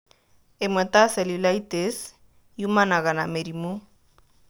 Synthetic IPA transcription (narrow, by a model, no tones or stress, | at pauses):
emwet̪aselilajt̪es | jumanaɣanameɾimu